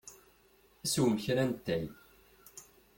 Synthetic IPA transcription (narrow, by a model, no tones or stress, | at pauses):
æsuwmçɾænt̪ːæj